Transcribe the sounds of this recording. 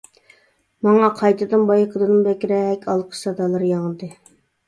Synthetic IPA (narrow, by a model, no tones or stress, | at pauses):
mɑŋɑqʰɑjt̪ɨd̪ɨnbɑjəqʰəd̪ɨnɨnbɛkʲɾɛɛkʲɑlˠqʰə̥sɑd̪ɑlˠɑɾjɑŋd̪ɨ